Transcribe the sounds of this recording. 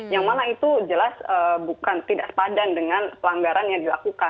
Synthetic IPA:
jaŋmanait̪ud͡ʒəlasəbukant̪idaʔsə̥padandəŋanpəlaŋɡaɾanjaŋdilakukan

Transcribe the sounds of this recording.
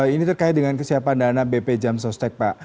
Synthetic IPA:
init̪ərkaɪt̪̚dəŋankəsiapandanabeped͡ʒamsɔst̪ɛk̚paʔ

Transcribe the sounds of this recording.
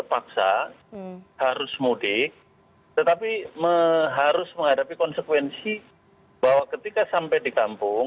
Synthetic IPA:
ərpaksa̰ | haɾʊsmudɪk̚ | t̪ət̪apiməɦaɾʊsməŋɦadapikɔnsəkwɛnsi | b̥aɦwakət̪ikasampajdikampʊŋ

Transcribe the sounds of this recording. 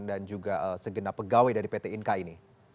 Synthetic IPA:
ndand͡ʒuɡaʔəsəɡənapəɡawajdaɾipet̪einkaini

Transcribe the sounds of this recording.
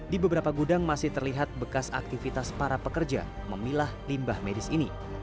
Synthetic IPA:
dibəbəɾapaɡudaŋmasɪht̪ərliɦat̪̚bəkasa̰k̚t̪ifit̪aspaɾapəkərd͡ʒa̰məmilahlimbahmedɪsini

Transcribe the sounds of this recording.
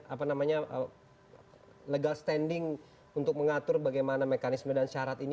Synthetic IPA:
apanamaɲaʔə | ləɡalst̪ɛndɪŋ | unt̪ʊk̚məŋat̪ʊrbaɡajmanamekanismədanʃaɾat̪in

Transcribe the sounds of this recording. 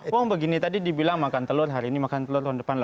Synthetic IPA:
waŋbəɡinit̪adidibilaŋmakant̪əlʊrɦaɾiːnimakant̪əlʊrandəpanla

